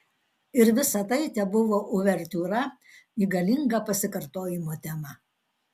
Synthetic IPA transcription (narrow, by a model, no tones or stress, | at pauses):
ɪɾʋʲɪsɐt̪ɐɪt̪ʲɛbʊʋoːʔʊʋʲɛɾʲt̪uːɾɐ | iːɡɐlʲɪŋɡɐpɐsʲɪkɐɾt̪oːjɪmoːt̪ʲɛmɐ